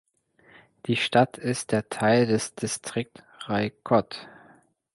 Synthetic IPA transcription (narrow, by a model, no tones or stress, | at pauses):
d̥iːʃtatʰɪst̚d̥eːɐtʰaɪldɛsd̥istʁ̥ɪk̚t | ʁaɪkʰɔt